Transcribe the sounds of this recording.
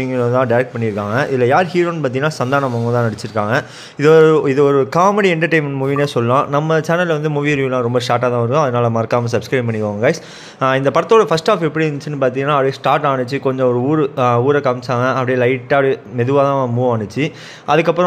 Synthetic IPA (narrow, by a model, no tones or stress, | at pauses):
iŋɡɐɐt̪ãːɖɐɪɾɛk̚ʈ̚pɐɳːɪɾɯkːaːŋɡɐʔɪðɪlɐjaːɾhiːɾoːnpaːt̪iŋɐnːaːsɐnd̪aːɾɳɐmɐŋɡɐ̃t̪ãːnɐɽɪt͡ʃːɪɾɯkːaːŋɡɐ | ɪðɯɾɯɪðɯɔɾɯkaːmɛɽiɛɳʈɐɾʈɐ̃ɪmɛɳɖmʊʋiːneːsɔlːɐlãːnɐmːɐt͡ʃɛːnɐlʋɐnd̪ɯmʊʋiːɾʋiːlãːɾɔmbɐs̬ʈaːɾʈ̬ːaːt̪ãːɪɾɯkːõɐðɯnaːlɐmɐɾkːaːmɐsɐbskɾɐɪpɐɳːɪkːʋãːŋɡɐɡaːɪs | ɪnd̪ɐpɐɽɐt̪ːoːɽɐfɐsʈaːfɛpːɐɽiɐnt͡ʃːɯnːɯpaːɾt̪iŋɡɐnaːɐpːɐɽijesʈaːɾʈaːɳɯt͡ʃːɯkɔɲd͡ʒɔ̃ɔɾɯuːɾɯuːɾɛkɐmsaːŋɐɐpɐɽijeːlɐɪʈːaːɽɯmɛðɯʋaːt̪ãːmuːʋaːɳɯt͡ʃːɯ | ʔɐðɯkːɐpːɯɾɔ̃